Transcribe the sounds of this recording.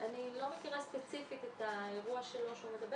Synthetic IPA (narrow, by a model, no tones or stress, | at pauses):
anilome̞kiʁaspet͡sifit̪et̪aeʁuaʃelo̞ʃeume̞d̪ɐbe